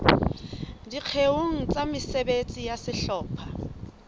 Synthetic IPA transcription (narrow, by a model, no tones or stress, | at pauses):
diq͡χʰeoŋ̩t͡sʼamɪsebet͡sʼijasɪɬɔːpʰa